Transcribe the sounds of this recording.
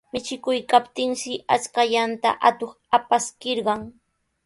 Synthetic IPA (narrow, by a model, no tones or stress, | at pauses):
mɪt͡ʃɪkʊjkapt̪ɪŋʃɪat͡skaʎant̪a̰ʔat̪oχ | apaskɪɾɢɑŋ